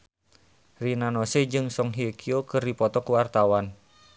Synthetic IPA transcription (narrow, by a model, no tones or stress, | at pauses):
rinanosɛd͡ʒɨŋsɔŋɦiekʰiokɨrdipɔt̪ɔkuwart̪awan